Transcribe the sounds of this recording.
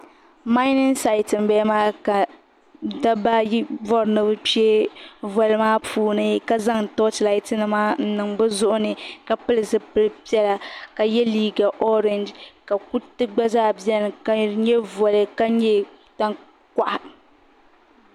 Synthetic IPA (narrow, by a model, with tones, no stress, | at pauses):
ma˦jnɨ˦nsa˨i˨tɨ˨m˨bɛ˦maː˦ka˨ | da˦ba˦jvɔ˦ɾnɨ˦bɨ˦pi˦e˦vɔ˨lɨ˦maː˦pʰuː˦nɨ˦ka˦za˦ŋtɔ˦tla˨i˦tɨ˦nɨ˨maː˦n̩˦nɨ˨ŋbɨ˦zʊ˦ʔʊ˦nɨ˨ka˨pɨ˦lɨ˨zɨ˦pɨ˦lɨ˦pi˦ɛ˦la˨ka˨jɛ˦liː˦ɡa˨ʔɔ˦ɾɛ˨nd͡ʒka˨ku˦tɨ˦ɡ͡ba˦zaː˦˨bi˦ɛ˦n˨ka˨ɲɛ˦vɔ˨lɨ˨ka˦ɲɛ˦ | ta˦ŋ | ka˨ʔa˨